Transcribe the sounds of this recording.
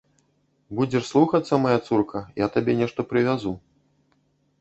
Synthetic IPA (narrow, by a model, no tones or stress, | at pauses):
bud͡zʲɛʂslˠuxɐt̪sːɐmajat̪surkʰɐjat̪abʲɛnʲɛʂt̪ɐpɾɨvʲazu